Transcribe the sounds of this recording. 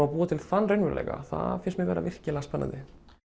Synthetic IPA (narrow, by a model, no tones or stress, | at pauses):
apuːat̪ʰɪlθanːrœɥnvʏɾlḛjka̰θa̰fɪnsmɪɣvɛːɾʔa̰vɪr̥cɪlɛɣaspɛnːant̪ɪ